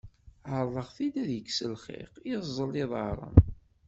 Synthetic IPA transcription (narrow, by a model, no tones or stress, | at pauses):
ʕəɾˤðˤəʁθid̪æðjəkːsəlχḭqizˤːəlːɪðˤəɾˤə̰n